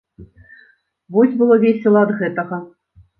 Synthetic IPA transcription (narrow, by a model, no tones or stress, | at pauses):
vɔsʲbɨlˠɔvʲesʲɨlˠɐɐd̪ɣɛt̪ɐɣɐ